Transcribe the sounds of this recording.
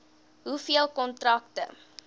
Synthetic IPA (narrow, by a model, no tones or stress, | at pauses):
ɦufiəlˠkɔntrɐk̚tə̰